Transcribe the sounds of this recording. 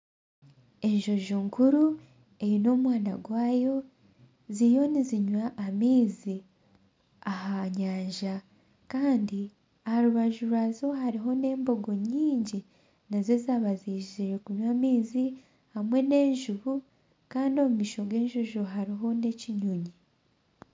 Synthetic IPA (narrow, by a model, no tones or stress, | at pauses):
e̞ɲʒo̞ʒuŋkuɾu | e̞jino̞ːmwaːna̰ɡwaːjo̞ | zijo̞niziɲwaʔːmiːzi | ahaɲaːɲʒa | kaːndi | ahaɾuβaʒuɾwazo̞haɾiɦo̞ne̞ːmbo̞ɡo̞ɲiːɲɟi | naze̞zaβaziʒiiɾe̞kuɲwamiːzi | hamwe̞ne̞ːɲʒuβu | kaːndio̞mumiʃo̞ɡe̞ɲʒo̞ʒoɦaɾiɦo̞ne̞ciɲuɲi